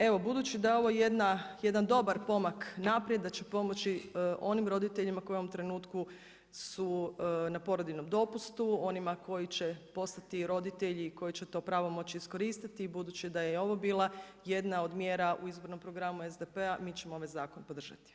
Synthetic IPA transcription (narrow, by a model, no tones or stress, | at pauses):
e̞ʋo̞bud̪uːt͡ʃid̪ajeo̞ʋo̞jed̪naje̞d̪and̪o̞baɾpo̞maknapɾjed̪ːat͡ʃe̞po̞mo̞t͡ʃiʔo̞nimɾo̞d̪it̪e̞ʎimako̞joomt̪ɾe̞nuːt̪ku | sunapo̞ɾod̪ino̞md̪o̞pust̪uo̞nimako̞jit͡ɕepo̞st̪at̪iɾo̞d̪it̪e̞ʎiko̞jit͡ɕet̪o̞ːpɾaːʋo̞mo̞t͡ɕiːsko̞ɾist̪it̪iːbud̪uːt͡ʃid̪ajeeo̞ʋo̞biːlˠaje̞d̪nao̞d̪mje̞ːɾaʔuizbo̞ɾno̞mpɾo̞ɡɾamuezd̪epeamiːt͡ɕemooʋajzaːko̞npod̪r̩ʒa̰t̪i̥